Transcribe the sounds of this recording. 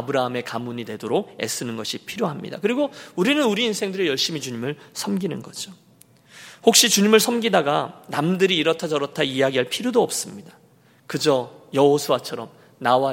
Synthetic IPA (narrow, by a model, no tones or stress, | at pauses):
abɯɾaɦame̞kamuɲidwe̞doɾoɡ̚e̞̰s͈ɯnɯnɡʌɕʰipʰiɾjoɦamɲḭdakɯɾiɡouɾinɯnuɾiːnsʰe̞ŋdɯɾe̞jʌɭɕ͈imit͡ɕuɲimɯɭsʰʌmɡinɯnɡʌd͡ʑo | hok̚ɕ͈it͡ɕuɲimɯɭsʰʌmɡidaɡanamdɯɾiːɾʌtʰad͡ʑʌɾʌtʰaiaɡiɦaɭpʰiɾjodoʌp̚s͈ɯmɲidḁ | kɯd͡ʑʌjʌɦosʰowat͡ɕʰʌɾʌm | nawa